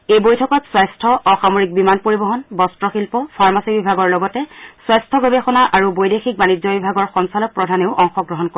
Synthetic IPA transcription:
ejbojtʰɔkɔtswajstʰɔʔɔxamoɹik̚bimanpoɹibɔɦɔnbɔstɹɔxilpɔpʰaɹmasibibʱaɡɔɹlɔɡɔtɛswajstʰɔɡobexɔnaʔaɹubojdexik̚banizɔbibʱaɡɔɹxɔnsalɔk̚pɹɔdʱaneʊʔɔŋxɔɡɹɔɦɔnko

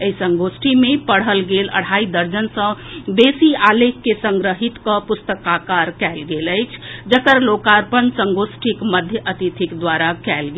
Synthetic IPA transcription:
eisə̃ŋɡosʈʰimepəɽ̤əlɡelə̰ɽ̤aid̪əɾd͡ʒənsə̃besialekːesəŋɡɾəɦit̪kə̃pust̪əkakaɾkɛlɡeləjt͡ʃʰd͡ʒəkəɾlokaɾpənsə̃ŋɡosʈʰikməd̪ʱjəʔət̪it̪ʰikd̪ʋaɾakɛlɡe

